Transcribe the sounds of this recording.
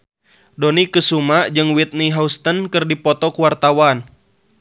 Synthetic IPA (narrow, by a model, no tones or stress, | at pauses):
dɔnikɨsumad͡ʒɨŋwit̪̚niɦaust̪ənkɨrdipɔt̪ɔkuwart̪awan